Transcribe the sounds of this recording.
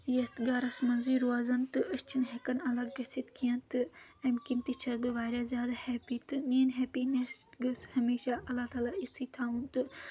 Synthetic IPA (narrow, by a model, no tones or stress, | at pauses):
jɐt̪ʰɡaːɾɐsmɐnziːɾuaːzɐnt̪ɨʔɐʃt͡ʃʰinɦɐkɐnɐlɐɡ̚ːɐsit̪kʰijɐnt̪ɨɐmkimt̪it͡ʃʰɐt̪bɨʋaːɾʲaːzʲjaːd̪ahɛːpit̪ɨmeːnɦɛːpinɐsʈɡɐshɐmeːʃaʔɐlːat̪aːlaisiːt̪ʰaːunt̪ɨ